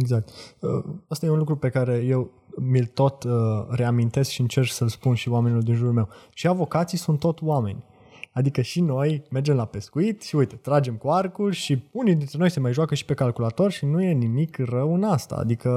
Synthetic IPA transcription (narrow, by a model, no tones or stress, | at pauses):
eɡzak̚t̪ə̰ast̪ajeunlukɾupe̞kaɾe̞je̞w | milt̪o̞t̪əre̞amint̪e̞skʃiɨnt͡ʃe̞rksəlspunʃiwame̞nʲuld̪inʒuɾulme̞wʃiavo̞kat̪sijsunt̪ːo̞t̪wame̞̰nʲ | ad̪ikəʃino̞jme̞rd͡ʒe̞mlape̞skuit̪ʃiujt̪e̞t̪ɾad͡ʒe̞mkuarkulʲʃiunijd̪int̪ɾe̞no̞jse̞majʒoakəʃi̥pe̞kalkulat̪o̞rʃinuje̞nimikrəwɨnast̪a̰ːd̪ikə